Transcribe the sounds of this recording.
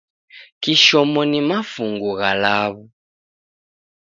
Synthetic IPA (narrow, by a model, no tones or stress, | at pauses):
kiʃɔmɔnimafuŋɡuɣalaβu